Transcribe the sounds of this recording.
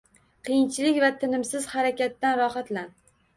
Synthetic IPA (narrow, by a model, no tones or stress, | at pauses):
qʰɨjɪnt͡ʃʰɪlɪkʲvat̪ʰɪnɪmsɪz̥haɾakʲat̪ːanɾɒχat̪lan